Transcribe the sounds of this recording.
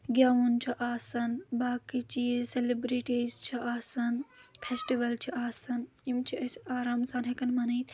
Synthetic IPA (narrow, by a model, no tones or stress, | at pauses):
ɡʲjaunt͡ʃʰiʔaːsɐnbaːkit͡ʃiselibɾiʈizt͡ʃʰiaːsɐnpʰesʈiʋɐlt͡ʃʰiʔaːsɐn | imt͡ʃʰiɐsaːɾaːmsaːnɦekɐnmɐnɐːt̪